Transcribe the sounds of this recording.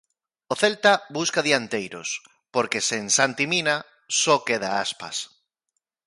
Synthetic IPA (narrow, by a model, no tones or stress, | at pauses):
oθelt̪abuskaðiant̪ejɾo̰s | poɾkesensant̪imina | sokeðaaspa̰s